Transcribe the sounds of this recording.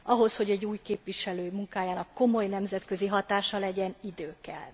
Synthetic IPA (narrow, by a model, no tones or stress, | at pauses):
ɒɦo̞sho̞ɟɛɟːuːjkeːpʋiʃɛløːjmuŋkaːjaːnɒkːo̞mo̞jnɛmzɛt̪kø̞ziɦɒt̪aːʃɒlɛɟɛnid̪øːkɛ̰l